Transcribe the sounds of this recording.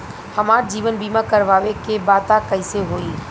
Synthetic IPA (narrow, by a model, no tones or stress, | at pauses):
hɐmaːɾd͡ʒiːʋənbiːmãkəɾʋaːʋekebaːt̪akəɪseɦoːiː